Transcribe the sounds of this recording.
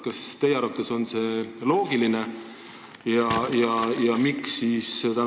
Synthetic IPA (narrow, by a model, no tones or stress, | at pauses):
kɑst̪e̞jeɑɾvɑt̪ːˑeso̞nse̞lo̞ːɡ̥iline | jɑjɑjɑmiksːiːst̪æ